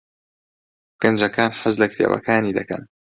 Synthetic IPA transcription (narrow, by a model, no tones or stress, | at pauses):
ɡ̥ɐnd͡ʒɐkʰaːnħazlɐkt̪ʰḛːwɐ̰kʰaːniːd̪ɐkɐ̰n